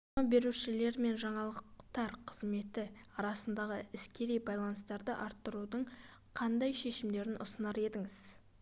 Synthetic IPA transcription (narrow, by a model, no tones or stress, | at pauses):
mɑbe̞ɾuʃɪle̞ɾme̞nʒɑɴɑlˠəqqt̪ɑɾqʰəzme̞t̪ɪɑɾɑsənd̪ɑʁəɪskʲe̞ɾijbɑjlˠɑnəst̪ɑɾd̪əʔɑɾt̪ːəɾud̪əɴ | qʰɑnd̪ɑjʃe̞ʃɪmd̪e̞ɾɪnʔʊsənɑɾe̞d̪ɪŋɪz̥